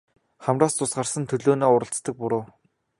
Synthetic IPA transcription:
χæmraːst͡sʊsɢarsə̆nt̪ʰɵɮoːnoːʊɾə̆ɬt͡st̪ə̆k̚pʊɾʊː

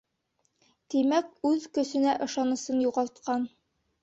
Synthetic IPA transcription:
t̪imækʉðkɵ̆sɵ̆næʔɤ̆ʃɑnɤ̆sɤnjuʁɑlˠt̪̚qɑn

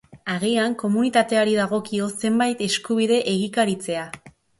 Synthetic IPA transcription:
aɣiaŋko̞munit̪at̪e̞aɾiðaɣ̞o̞kio̞se̞mbajt̪e̞skuβ̞iðe̞ʔeɣ̞ikaɾit͡se̞a

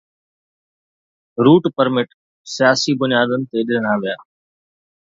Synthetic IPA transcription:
ɾuːʈpəɾmɪʈ | sɪjaːsibʊnɪjaːd̪ənɪ̆t̪eɗɪnɽ̃aːʋijaː

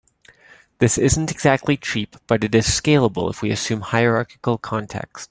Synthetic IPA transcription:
ðɪsɪzn̩tɨɡzæk̚tʰˡlit͡ʃʰɹipb̥ʌɾɨɾɨz̥skeɪlˠəbl̩ˠə̰fwiɨsʉ̃mhaɪə˞ɑɹkɨ̥kl̩ˠkʰɑ̃ntʰɛ̰kst̚

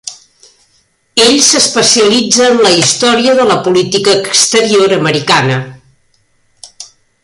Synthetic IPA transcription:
eʎsəspəsiəlid͡zəːnləist̪ɔɾiəðələpulit̪ikəːkst̪əɾioɾəməɾikanə

